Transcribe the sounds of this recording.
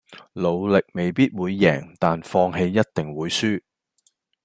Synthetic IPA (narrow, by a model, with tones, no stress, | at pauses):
lo˨˧wlɪ˨k̚me˨jpiː˥t̚wuː˨˧jːɛ̰ː˨˩ŋt̪aː˨nfɔː˧ŋɦe˧jːɐ˥t̚t̪ɪ˨˩ŋwuː˨˧jsyː˥